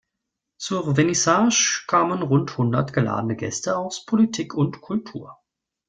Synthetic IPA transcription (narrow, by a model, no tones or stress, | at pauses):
t͡suːʁvenisaːʃkʰaːmənʁʊnthʊndɐtɡ̥əla̰ːdənəɡɛ̰stəaʊspʰolitʰiːkʰʊntkʰʊltʰuːɐ